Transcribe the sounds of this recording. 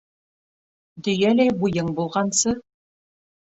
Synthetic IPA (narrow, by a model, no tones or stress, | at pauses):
d̪ɵ̆jælæjbujɤɴbulˠʁɑnsɤ